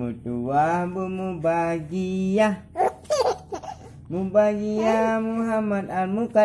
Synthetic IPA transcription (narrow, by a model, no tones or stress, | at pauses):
ṵtuwabumubaɡija | mubaɡijamuɦamanaɾmuka